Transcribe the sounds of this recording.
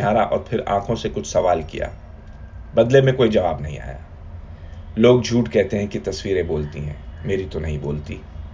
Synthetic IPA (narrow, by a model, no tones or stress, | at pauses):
aːɾa̰ʔɔːɾpʰɪɾã̰ːkʰõsekʊt͡ʃʰsɐʋaːlkḭja̰ː | bɐd̪lemẽkoːid͡ʒɐʋaːbnɐɦĩa̰ːja̰ː | loːɡd͡ʒʱuːʈkɛɦt̪eɦɛ̃kit̪ɐswiːɾẽboːlt̪iɦɛ̰̃ːmeːɾit̪onɐɦĩbo̰ːlt̪iː